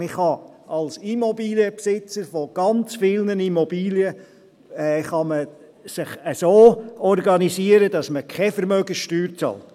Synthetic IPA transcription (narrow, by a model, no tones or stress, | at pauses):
ɪχhɑ | ɑlsimɔbiːljəpsɪt͡səɾfoɡ̥ɑnt͡sfɪlnənimobiːljə | ɛχɑmə | sɪχəsoːɔɾɡɑnisiəɾədɑsməkʰɛfəɾmœɡəʃtyːɾt͡sɑ̰lt